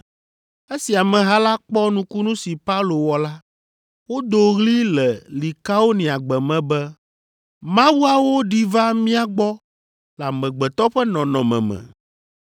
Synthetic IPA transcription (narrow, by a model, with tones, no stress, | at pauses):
e˦si˨a˨mɛ̃˨ɦa˦la˦k͡pɔ˦nũ˦ku˦nũ˦si˨pa˦u˦lo˨wɔ˨la˦ | wo˦d̪o˨ɣli˦lɛ˨li˨ka˦o˦nĩ˨a˨ɡ͡bɛ˨mɛ̃˨bɛ˦ | mã˦wu˦a˨wo˦ɖi˦va˦mĩ˦a˦ɡ͡bɔ˦ | la˨mɛ̃˨ɡ͡bɛ˨t̪ɔ˦ɸɛ˦nɔ̃˨nɔ̃˨mɛ̰̃˨mɛ̰̃˨